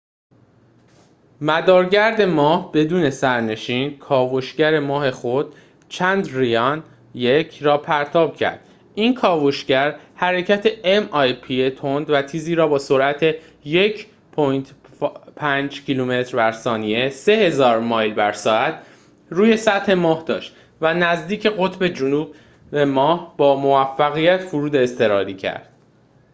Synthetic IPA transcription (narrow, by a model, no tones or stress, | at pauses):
mæd̪ɒːɾɟæɾd̪e̞mɒːhb̥e̞d̪uːne̞sæɾne̞ʃiːnkʰɒːvoʃɟæɾe̞mɒːɦe̞xod̪̥̚ | t͡ʃʰænd̪rijɒn | jecʰɾɒːpʰæɾt̪ʰɒːb̥̚cʰæ̰ɾd̪̥ | ʔiːnkʰɒːvoʃɟæɾhæɾe̞cʰæt̪ʰe̞emɒjpʰiet̪ʰond̪væt̪ʰiːziːɾɒːbɒːsoɾʔæt̪ʰe̞ | jecʰ | pʰojnt̪ʰ | pʰænd͡ʒcʰilume̞t̪ɾbæɾsɒːnie̞se̞he̞zɒːɾmɒːjlbæɾsɒːæt̪ʰ | ɾuːje̞sæt̪he̞mɒːhd̪ɒːʃt̪ | vænæzd̪iːcʰe̞ɣo̞t̪ʰbe̞d͡ʒunuːb̚ | bemɒːhb̥ɒːmo̞væfːæɣijæt̪ʰfuɾuːd̪eːst̪e̞ɾɒːɾiːcʰæ̰ɾd̪̥